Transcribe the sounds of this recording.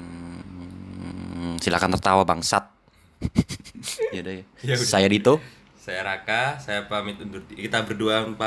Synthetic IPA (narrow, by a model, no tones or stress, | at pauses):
sila̰kant̪ərt̪awabaŋsat̪̚ | jadajasajadit̪u | sajaɾakasajapamɪt̪undʊrt̪ikit̪abərduapa